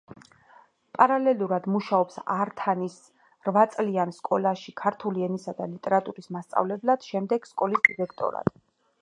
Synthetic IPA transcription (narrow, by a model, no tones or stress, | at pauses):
pʼaɾalɛlˠuɾad̪muʃaɔpsaɾt̪ʰanis | ɾvat̪sʼlianskʼɔlaʃikʰaɾt̪ʰuliɛnisad̪alit̪ʼɛɾat̪ʼuɾismast̪sʼa̰vlɛblad̪̥ʃɛmd̪ɛɡ̥skʼɔlisd̪iɾɛkʰt̪ʼɔ̰ɾa̰d̪̥